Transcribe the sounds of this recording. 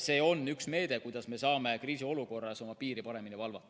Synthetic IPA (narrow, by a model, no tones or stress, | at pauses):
se̞ːo̞nːyksme̞ːd̪̥ekujd̪̥ɑsme̞sɑːme̞kriːsio̞luko̞rːɑso̞mɑpiːɾipɑɾe̞minivɑlvɑt̪ːˑ